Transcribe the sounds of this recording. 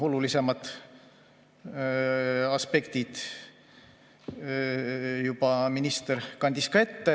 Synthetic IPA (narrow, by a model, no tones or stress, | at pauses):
o̞lulise̞mɑd̪ˑ | ɑspe̞kt̪id̪̥ | jubɑminist̪eɾkɑnʲd̪iskɑe̞t̪ːe